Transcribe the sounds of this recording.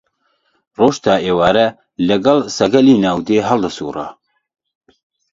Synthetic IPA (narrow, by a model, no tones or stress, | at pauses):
roːʃt̪aːeːwaːɾɐ | lɐɡɐlsɐɡɐliːnaːwd̪eːɦɐld̪ɐsuːrɑ̰ː